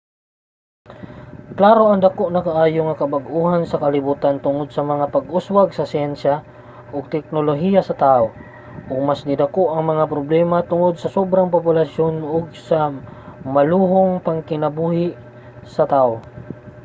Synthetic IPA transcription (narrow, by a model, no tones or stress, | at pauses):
klaːɾoʔɐŋd̪ɐkoʔnɐkaʔaːjoŋɐkɐbaɡʔuːhansɐkɐlɪbuːt̪ant̪ʊŋod̪̚sɐmɐŋapɐɡʔʊswaɡ̚sɐsɪɛnʃa | ʔoɡ̚t̪ɛk̚noloɦijasɐt̪aʔo | ʔʊɡ̚masnɪd̪ɐkoʔɐŋmɐŋapɾoblɛmat̪ʊŋod̪̚sɐsobɾaŋpopʊlasjonoɡ̚sɐmɐluːɦoŋpɐŋkɪnɐbuːhɪʔ | sɐt̪aːʔo